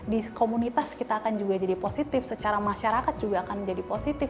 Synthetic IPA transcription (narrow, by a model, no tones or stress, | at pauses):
dikomunit̪askit̪aːkand͡ʒuɡad͡ʒadiposit̪ɪfsət͡ʃaɾamaʃaɾakat̪̚d͡ʒuɡaːkand͡ʒadiposit̪ɪf